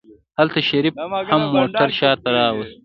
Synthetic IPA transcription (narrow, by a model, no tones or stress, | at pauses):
halt̪aʃɐɾib̚hamːoːʈʰɐɾʃɑːt̪ɐɾɑːwɐst̪